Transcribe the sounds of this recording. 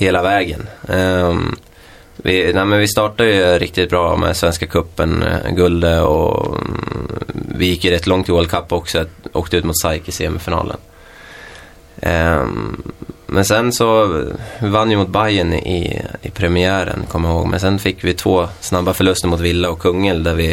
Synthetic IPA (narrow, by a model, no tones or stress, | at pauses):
heːlavɛːɡən | vɪnæɪmɛnvɪst̪ɑːʈad̪jəɾɪk̚t̪ɪt̪̚bɾɑːmɛ̰svɛnskakʰɵpːənɡɵld̪əɔ̰ | vɪjɪkːjəɾɛt̪ːlɔŋt̪ʰɪlɛlkʰapːɔksɔo̰ːk̚t̪əʉ̟ːt̪mʊt̪sajkɪseːɛmɛfɪnɑ̰ːlə̰n | mʔɛnsɛnsɔ | vanːjəmʊt̪̚bajənʔɪ̰ɪ̰pʰɾɛmɪæːɾə̰nkʰɔmːɪjahoːɡmʔɛ̰nsɛnfɪkːvɪt̪ʰvoːsnabːafœɭɵst̪əɾmʊt̪vɪlːaɔkʰːɵŋːəld̪æɾvɪ